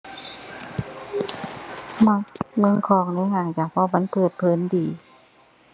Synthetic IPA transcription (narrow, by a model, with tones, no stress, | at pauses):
ma˧˥k̚mɯ˧˥˨ŋkʰɔː˧˩ŋna˧˥˨haː˧˩ŋt͡ɕaː˨˩k̚pʰɔ˧˥ma˧˥˨npʰɤː˨˩t̪̚pʰɤː˧˩˦ndiː˨˦